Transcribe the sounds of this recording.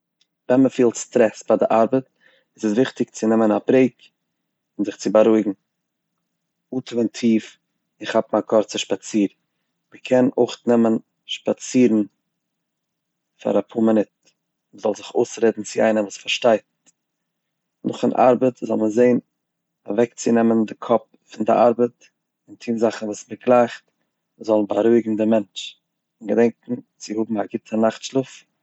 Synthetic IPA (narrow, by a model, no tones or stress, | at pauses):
vɛnməfiːlˠtstɾɛsfadɪʔaɾbət | ɪsəsvɪχtɪk̚t͡sɪnɛmənabɾeɪk | ʊnzɪχt͡sɪbaɾuɪɡŋ̩ | ultɪməntʰiːf | ɪχhapmakʰɔɾt͡səʃpat͡siːɾ | məkʰɛnoɪχnɛmən | ʃpat͡siːɾn̩ | fa̰ɾapʰuːmɪnɪt̚ | məzɔlˠzɪχoʊsɾeːdn̩t͡sɪaɪnəvuːsfaɾʃtaɪt | nʊχɪnʔa̰ɾbətzɔlˠməzeɪn | avɛkt͡sɪnɛməndɪkʰɔp̚ | fɪndɪʔaɾbət | ɪntʰiːnzaχn̩vuːsməɡlˠaɪχt | zɔlˠnbaɾuɪɡŋ̩dɪmɛnt͡ʃ | ɪnɡədɛŋkŋ̩t͡sɪhʊbm̩haɡɪtʰənaχtʃlˠʊf